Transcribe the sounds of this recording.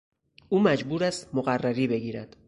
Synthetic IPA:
uːmæd͡ʒbuːɾæst̪moɣærːæɾiːbe̞ɡiːɾæd̪̥

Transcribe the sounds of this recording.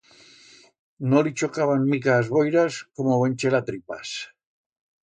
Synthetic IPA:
nolit͡ʃo̞kaβanmikazβojɾaskomoβent͡ʃelat̪ɾipa̰s

